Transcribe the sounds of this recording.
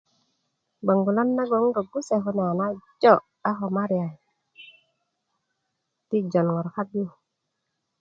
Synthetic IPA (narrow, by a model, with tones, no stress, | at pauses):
ɡ͡ba˨ŋɡu˨la˦nːa˦ɡo˨˦ŋɡo˨ɡu˦se˨ɦu˦n˨a˨na˦d͡ʒo˦˨ | a˦xo˨ma˦ɾi˨a˨ | ti˦d͡ʒo˨nŋo˨ɾka˦bu˦